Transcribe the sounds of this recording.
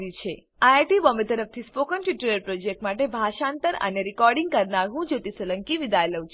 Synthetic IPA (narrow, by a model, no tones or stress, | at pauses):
ɾit͡ʃʰe | aeʈibɔmet̪əɾəf̚t̪ʰispokənʈʋiʈuɾəɾpɾod͡ʒek̚ʈmaʈebʱaʃant̪əɾə̰neɾikɔɾɖĩŋɡ̚kəɾnaɾɦũd͡ʒot̪isələŋkiʋid̪ajlət͡ʃ